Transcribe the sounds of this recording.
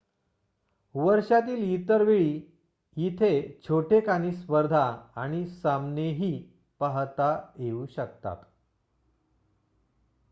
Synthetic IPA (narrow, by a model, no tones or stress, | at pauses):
ʋəɾʂat̪iːlit̪əɾʋeɭiː | jit̪ʰet͡ɕʰoʈekaniːspəɾd̪ʱaːɽ̃isamneɦiː | pəɦt̪ajeuːɕək̚t̪a̰t̪